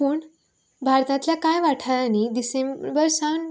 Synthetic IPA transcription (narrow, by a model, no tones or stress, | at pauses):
puːɳ | bʱaɾt̪ãt̪ljakajʋaʈʰaɾanid̪isemɾbəɾsan